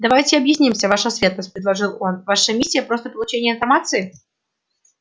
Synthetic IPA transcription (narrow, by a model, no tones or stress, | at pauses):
d̪ɐvajtʲɪɐbjɪsʲnʲimsʲəvaʂʊsvʲe̞t̪nəsʲt̚ʲpɾʲɪd̪lˠɐʐɨlˠo̞nvaʂəmʲisʲːɪjəpɾo̞st̪əpəlˠʊt͡ɕenʲɪəɪnfɐrmat̪sɨɪ